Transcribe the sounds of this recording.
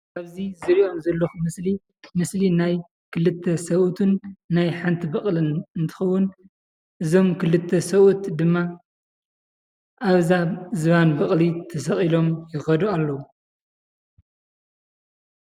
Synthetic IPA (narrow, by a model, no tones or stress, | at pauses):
ʔaβzizɨɾiʔo̞mzɐlːɐxumɨsli | mɨslinaj | kʰɨlɨt̪ʰːɐsɐβʔut̪ʰɨnːajħant̪ʰibɐχʼlɨnɨnt̪ʰɨ̥xɐwːʊn | ʔɨzo̞mkʰɨlɨt̪ʰːɐsɐβʔut̪d̪ɨmːa | ʔaβzazɨβanbɐχʼlit̪ʰɐs̬ɐχʼilo̞mjɪxɐd̪ualːɐwu